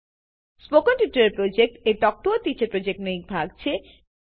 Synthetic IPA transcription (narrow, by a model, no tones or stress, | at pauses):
spokonʈiʈɐɾeɾpɾod͡ʑek̚ʈeʈ̪ɔk̚t̪oːt̪it͡ɕepɾod͡ʑek̚ʈnojk̚bʱaɡ̚t͡ɕʰe